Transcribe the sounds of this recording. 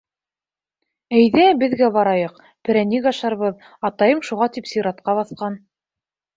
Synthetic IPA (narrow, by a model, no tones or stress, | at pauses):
æjðæbɘ̆ðɡæβɑɾɑjɤq | pɘ̆ɾæniɡɑʃɑɾβɤð | ɑt̪ɑjɤmʃuʁɑt̪ipsiɾɑt̪̚qɑβɑθqɑn